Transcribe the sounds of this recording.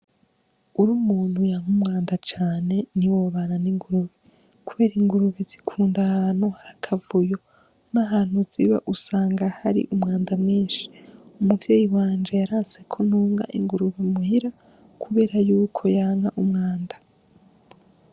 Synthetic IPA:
uɾumuːn̥hujaːŋhumŋaːndat͡ʃaːne̞niwoβananiŋɡuɾuβi | kuβe̞ːɾiŋɡuɾuβizikʰuːndahan̥uhaɾakʰavujo̞ | naɦaːn̥huz̥iβaʔusaːŋɡahaɾḭʔumŋaːndamŋiːnʃi̥umuvjeːjiwaːnd͡ʒejaɾaːnse̞kʰonuːŋɡa̰ʔḭŋɡuɾuβimuhiɾa | kʰuβe̞ːɾajuːkʰo̞jaːŋaʔumŋaːndḁ

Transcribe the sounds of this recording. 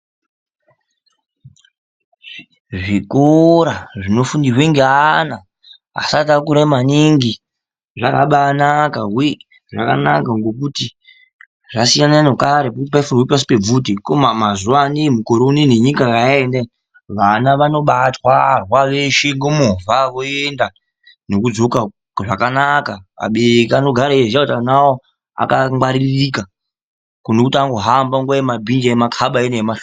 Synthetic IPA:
ʐikoɾaʐino̞fundirweŋɡeana | a̰satakuɾamaniŋɡi | ʐaka̰ɓanakawi | ʐaka̰nakaŋɡo̞k̬uti | ʐasijananokaɾepokutipaifumwipas̬i̥pe̞b͡vutikomamazuwanemukoɾouneneɲikakaende | ʋanaʋano̞ɓatwarwaʋeʃeŋɡomovʱaʋoenda | no̞kud͡zo̞ka | ʐakanakaa̰ɓeɾekiano̞ɡʱaɾaeʐiautanawo | a̰kamwaɾirika | kunokutiaŋɡo̞ɦambaŋɡwajemabʱind͡ʒaemakʰaɓaenaemaʃo

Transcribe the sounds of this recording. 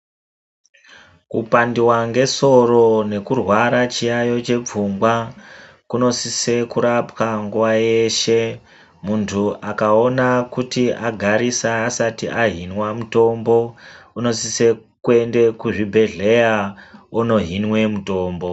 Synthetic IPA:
kupandiwaŋɡe̞so̞ro̞ne̞kurwaɾat͡ʃijajo̞t͡ʃe̞p͡fuŋɡwa | kuno̞sise̞kuɾapwaŋɡuʋaje̞ːʃe̞ | muntʰuʔakaonakutiaɡʱaɾisaːsatiʔaɦinwamuto̞mbo̞uno̞sise̞kue̞nde̞kuʐibʱe̞ɮe̞jauno̞ɦinwe̞muto̞ːmbo̞

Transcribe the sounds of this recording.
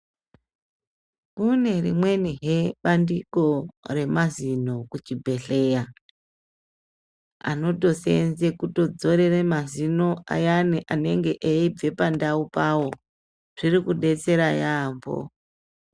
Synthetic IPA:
kune̞rḭmwe̞niɦeɓandiko̞re̞mazino̞kut͡ʃibʱe̞ɬe̞ja | a̰no̞to̞sḛnze̞kuto̞d͡zo̞ɾeremazino̞a̰janiʔane̞ŋɡe̞ʔeib͡ve̞pandaupawo̞ | ʐ̥irikuɗe̞t͡se̞ɾajaːmbo̰

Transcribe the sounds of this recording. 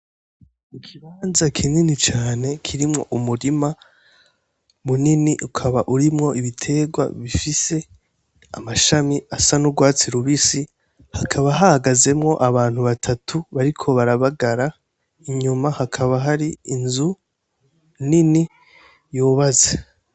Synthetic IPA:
ikʰiβaːnzakʰininit͡ʃaːne̞kʰiɾimŋo̞ʔumuɾima | muniniʔukʰaβaʔuɾimŋo̞iβitʰe̞ːɡwa̰βifise̞ | amaʃamiasanuɡwaːt͡siɾuβisi | hakʰaβaɦahaɡaze̞mŋo̞ʔaβaːn̥huβatʰatʰuβaɾikʰo̞βaɾaβaɡaɾa | iɲumahakʰaβaɦaɾiinzu | nini | joːβaze

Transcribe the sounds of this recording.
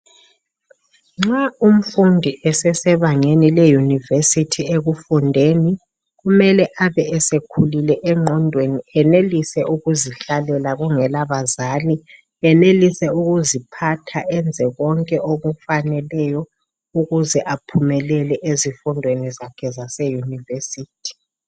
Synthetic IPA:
ŋ͡ǁaum̩fundʱiʔɛsɛsɛβaŋenilɛjunivesitʰieɣufundʱeni | ɣumɛlɛʔaβɛɛsekʰulilɛʔɛŋ͡ǁʱɔndʱweniɛnelisɛʔuɣuziɬalɛlaɣuŋɛlaβazaːli | ɛnelisɛuɣuzipʰatʰaʔɛnd͡zʱɛɣɔŋkʼɛʔoɣufanɛlɛjɔ | uɣuzɛʔapʰumɛlɛlɛʔezifundʱwenizakʰɛzasɛjunivesiːtʰi̥

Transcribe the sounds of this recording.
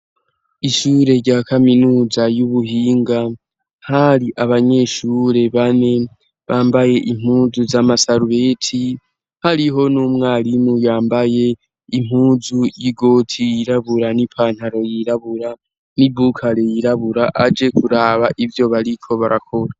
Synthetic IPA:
iʃuːɾe̞ɾɟaːkʰaminuːzajuβuɦiːŋɡa | haɾiʔaβaɲe̞ːʃuɾe̞βane̞ | βaːmbaje̞ʔim̥huːzuzamasaɾuβe̞ːtʰi | haɾiɦo̞nuːmŋaːlimujaːmbaje̞ | im̥huːzujiɡo̞ːtʰijiɾaβuɾanipʰaːn̥haɾo̞jiɾaβuɾa | nibukʰaɾe̞jiɾaβuɾaʔad͡ʒe̞kuɾaːβaʔivjo̞βaɾikʰo̞βaɾʔa̰kʰo̞ɾa

